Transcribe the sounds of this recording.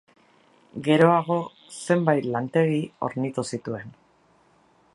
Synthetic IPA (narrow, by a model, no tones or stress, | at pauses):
ɡe̞ɾo̞aɣ̞o̞ | se̞mbajt̪lant̪e̞ɣio̞̰ɾnit̪usit̪ue̞n